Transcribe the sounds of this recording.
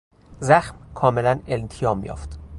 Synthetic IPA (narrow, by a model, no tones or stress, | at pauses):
zæxmkʰɒːme̞lænelnt̪ʰijɒːmjɒ̰ːft̪